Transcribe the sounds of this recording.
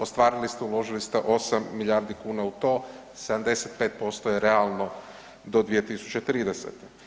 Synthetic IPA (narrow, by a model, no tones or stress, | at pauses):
ost̪ʋaːɾilist̪eulo̞ʒilist̪eʔo̞samːiʎaɾd̪ikuːnaut̪o̞ː | sed̪amd̪e̞set̪̚pe̞ːt̪̚po̞st̪ojeɾealˠno̞ | d̪o̞d̪ʋije̞t̪isu̥t͡ɕet̪ɾiːd̪eset̪e